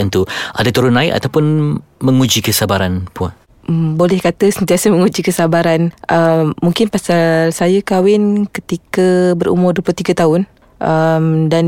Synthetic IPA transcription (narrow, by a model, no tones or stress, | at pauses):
ant̪uʔadat̪uɾʊnlaɪʔa̰t̪awpʊnmə̃ŋud͡ʒikəsabaɾanpua̰ | əmbolɛhkat̪əsənt̪iasəməŋud͡ʒikəsabaɾanʔəmːuŋkɪnpasalsajakawɪnkət̪ikabəɾṵmʊrduəplʊt̪iɡat̪aʊn | ʔəmdan